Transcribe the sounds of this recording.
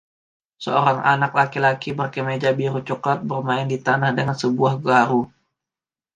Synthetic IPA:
səoɾaŋa̰nak̚lakilakibərkəmed͡ʒabiɾut͡ʃukat̪̚bərmaɪndit̪anahdəŋansəbuahɡaɾu

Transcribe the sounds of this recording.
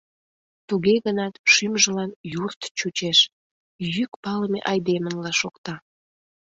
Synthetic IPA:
t̪uɣeɣənɑt̪ʃymʒəlɑnjurt̪t͡ɕut͡ɕeʃ | jykpɑlmḛʔɑjd̪emənlɑʃokt̪ɑ

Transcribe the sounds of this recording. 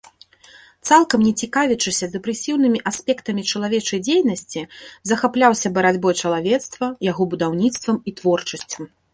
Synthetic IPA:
t̪salˠkɐmnʲɛt͡sʲikavʲɛt͡ʂɨsʲɐzd̪ɛpɾɛsʲiwnɨmʲiʔasʲpʲɛkt̪ɐmʲit͡ʂɐlˠavʲɛt͡ʂɐjd͡zʲejnɐsʲt͡sʲizɐxaplʲawsʲɐbɐɾad͡zʲbɔjt͡ʂɐlˠavʲɛt̪st̪vɐjaɣɔbud̪awnʲit̪st̪vɐmit̪vɔrt͡ʂɐsʲt͡sʲɐm

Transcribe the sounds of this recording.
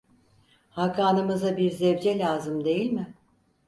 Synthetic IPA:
hakʰaːnɯmɯzabiɾzɛvd͡ʒɛlʲaːzɯmd̪e̞jilʲmɪ

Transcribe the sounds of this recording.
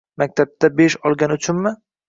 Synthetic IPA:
mak̚ʲt̪ʰap̚t̪ʰabe̞ʃɒlˠɡʲanʊt͡ʃʰʊnmɪ

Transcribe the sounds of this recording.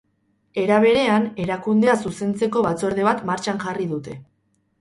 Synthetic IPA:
e̞ɾaβ̞e̞ɾe̞ane̞ɾakund̪e̞asuse̞nt͡se̞ko̞βat͡so̞ɾðe̞β̞at̪maɾt͡ʃanʝariðut̪e̞

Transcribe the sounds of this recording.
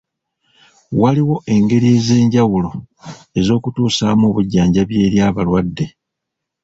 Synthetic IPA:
waliwo̞ʔe̞ŋɡe̞ɾie̞ze̞ːɲɟawulo̞ | e̞zo̞ːkutuːsaːmoːβuɟːaːɲɟaβje̞ːɾjaːβalwadːe̞

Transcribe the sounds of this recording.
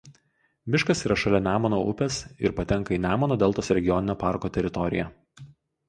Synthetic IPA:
ʋʲɪʃkɐsiːɾɐʃɐlʲɛnʲæːmoːnoʊpʲɛsɪ̰ɾpɐt̪ʲɛŋˑkɐiːnʲæːmoːnoːd̪ʲɛːlˠt̪oːsɾʲɛɡʲɪjɔnʲɪnʲoːpɑˑɾkoːt̪ʲɛɾʲɪt̪ɔɾʲɪ̰jɛ

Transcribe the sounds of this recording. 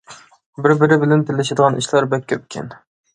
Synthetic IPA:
bɪɾbɪɾɪbɪlɛnt̪ʰɪlːɪʃ̬ed̪əʁɑnʔiʃlˠɑɾbɛkʲʰːøp̚kʲʰɛ̰n

